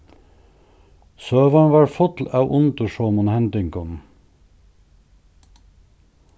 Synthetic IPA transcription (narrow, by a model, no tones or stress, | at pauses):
søːʋɑɳʋɑːɹfɔt̪l̩ɑʊʔʊnt̪əʃoːmʊnhɛnd̪ɪŋkɔn